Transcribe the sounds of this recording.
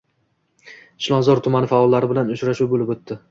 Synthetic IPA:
ɪʃlˠɒnzɒɾt̪ʰʊmanɪfaɒlˠːaɾɪbɪlanʊt͡ʃɾaʃuwbolɪbɵt̪ːɪ

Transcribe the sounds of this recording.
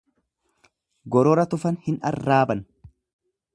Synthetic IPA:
ɡɔɾɔɾɐt̪ʊfɐnhɪnɐ̰rːaːbɐn

